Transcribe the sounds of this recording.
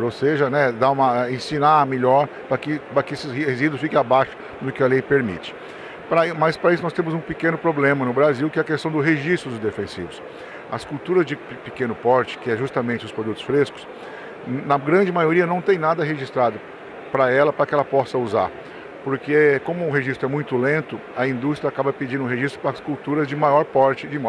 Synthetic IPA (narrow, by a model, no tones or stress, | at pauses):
ɾowseʒɐnɛd̪aũmɐɛẽsĩnameʎɔɾpɾɐkɪpɾɐkɪesɪehezid̪ʊfikẽabaʃʊ̥ | d̪ʊkɪɐlejpeɾmḭt͡ʃɪ̥ | pɾɐmɐspɾɐis̬ʊnɔst̪ẽmʊzũpɪkẽnʊpɾoblẽmɐnʊbɾaziwkɪɛɐkest̪ɐ̃w̃d̪ʊɦeʒist̪ɾʊd̪ʊzd̪efẽsḭvʊs | ɐ̰skuwt̪uɾɐzd͡ʒɪpɪkẽnʊpɔɾt͡ʃɪ̥kɪɛʒust̪ɐmẽt͡ʃɪʊspɾod̪ut̪ʊ̥sfɾeskʊ̥s | nɐɡɾɐ̃d͡ʒɪmajoɾiɐnɐ̃w̃t̪ẽj̃nad̪ɐɦeʒist̪ɾad̪ʊ | pɾɐɛlɐpɾɐkɪɛlɐpɔsɐuza̰ɾ | poɾkekõmʊʊ̃ɦeʒist̪ɾʊɛmũj̃t̪ʊlẽnt̪ʊ | ɐĩnd̪ust̪ɾiakabɐped͡ʒĩd̪ʊ̃ɦeʒist̪ɾʊ̥pɾɐɐskuwt̪uɾɐzd͡ʒɪmajɔɾpɔɾt͡ʃɪd͡ʒɪma